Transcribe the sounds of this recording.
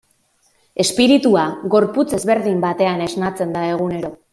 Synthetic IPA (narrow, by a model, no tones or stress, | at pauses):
e̞spiɾit̪uaɣo̞ɾput͡se̞zβe̞ɾðimbat̪e̞ane̞znat͡se̞nd̪ae̞ɣ̞une̞ɾo̞